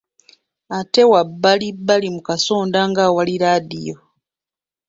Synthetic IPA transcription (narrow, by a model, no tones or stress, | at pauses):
ate̞wabːalibːalimukaso̞ːndaŋɡaːwaliɾadḭjo